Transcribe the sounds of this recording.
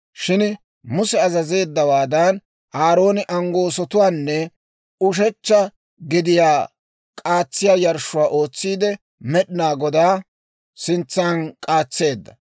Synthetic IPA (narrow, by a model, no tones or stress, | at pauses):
ʃɪn | mʊsɛɐzɐze̞ːd̪ːɐwaːd̪ɐn | ʔaːɾo̞ːnɪʔɐŋɡo̞ːsɔt̪ʊwaːnːɛ | ʊʃ̬ɛt͡ʃːɐ | ɡɪd̪ɪjaː | kʼaːt͡sːɪjaːjɐɾʃʊwaːʔo̞ːt͡sːiːd̪ɛ | mɛɗɪnaːɡɔd̪aː | sɪnt͡sːaːnkʼaːt͡sːe̞ːd̪ːɐ